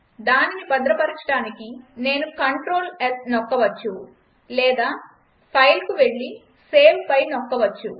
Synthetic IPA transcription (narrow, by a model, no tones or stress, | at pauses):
d̪aːninipɐd̪ɾɐpɐɾit͡ʃɐʈaːnikine̞ːnukɐɳʈɾo̞ːlesnɔkːɐʋɐt͡ʃːu | lɛːd̪aː | pʰɐjlkuʋe̞ɭːi | se̞ːmpɐjnɔkːɐʋɐt͡ʃːu